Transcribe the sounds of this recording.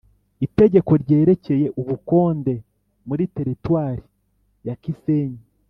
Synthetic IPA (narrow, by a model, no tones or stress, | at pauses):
ite̞ɟe̞ko̞ɾɟe̞ːɾe̞ce̞je̞ʔuβuko̞ːnde̞ | muɾite̞ɾitwaːɾi | jakise̞ːɲi